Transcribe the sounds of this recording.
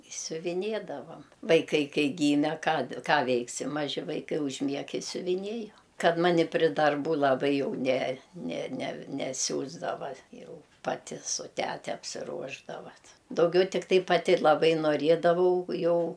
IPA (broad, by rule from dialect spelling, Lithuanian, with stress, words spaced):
ɪ sʲʊʋʲɪˈnʲeːdɐʋɐm ʋɐɪˈkɐɪ ˈkɐɪ ˈɡʲiːmʲɛ ˈkɑː ˈkɑː ˈʋʲɛɪksʲɪ mɐˈʒʲɪ ʋɐɪˈkɐɪ ʊʒʲˈmʲiɛk ɪ sʲʊʋʲɪˈnʲeːjʊ ˈkɐt ˈmɑːnʲɪ pʲrʲɪ dɐrˈbuː lˠɐˈbɐɪ jɛʊ nʲɛ nʲɛ nʲɛ nʲɛˈsʲuːzdɐʋɐ ˈjɛʊ pɐˈtʲɪ sʊ ˈtʲæːtʲɛ ɐpʲsʲɪˈruɔʒdɐʋɐ t dɐʊˈɡʲɛʊ tʲɪkˈtɐɪ pɐˈtʲɪ lˠɐˈbɐɪ noːˈrʲiɛdɐʋɐʊ ˈjɛʊ